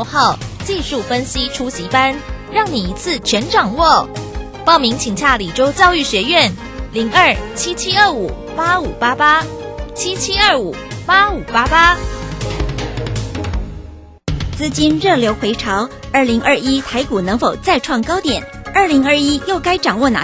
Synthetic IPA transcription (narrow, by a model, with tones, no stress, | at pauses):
xɑ˥˧ʊt͡ɕi˥˧ʂu˥˩fə˥nɕi˥ʈ͡ʂʰu˥ɕi˧˥pa˥nɻɑ˥˩ŋni˨˩i˧˥t͡sʰɹ̩˥˩t͡ɕʰɥɛ˧˥nʈ͡ʂɑ˨˩ŋwɔ˥˩ | pɑ˥˩ʊmi˧˥ŋt͡ɕʰi˨˩ŋɕʰja˥˩li˨˩ʈ͡ʂo˥ʊt͡ɕjɑ˥˧ʊy˥˩ɕɥɛ˧˥ɥɛ˥˩n | li˧˥ŋə˞˥˩t͡ɕʰi˥t͡ɕʰi˥ə˥˩u˨˩ | pa˥u˨˩pa˥pa˥t͡ɕʰi˥t͡ɕʰi˥ə˥˩u˨˩˦pa˥u˨˩pa˥pa˥ | t͡sɹ̩˥˩t͡ɕi˥nɻɤ˥˩ljo˧˥ʊxwe˧˥ɪʈ͡ʂʰɑ˧˥ʊə˞˥˩li˧˥ŋʔə˥˩i˥t̪ʰa˧˥ɪku˨˩nɤ˧˥ŋfo˨˩ʊt͡sa˥˧ɪʈ͡ʂʰwɑ˥˩ŋkɑ˥ʊt̪jɛ˨˩˦nə˞˥˩li˧˥ŋə˞˥˧i˥jo˥˩ʊka˥ɪʈ͡ʂɑ˨˩ŋwɔ˥˩na̰˨˥